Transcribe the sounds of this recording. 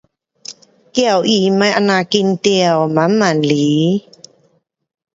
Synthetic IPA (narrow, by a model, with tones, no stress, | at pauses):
kɛ˧˩˨wʔi˧˨ma˧˦jʔa˧na˧˨ki˧nt̪ɛ˧ə˨wma˨˦nma˨nli˨˦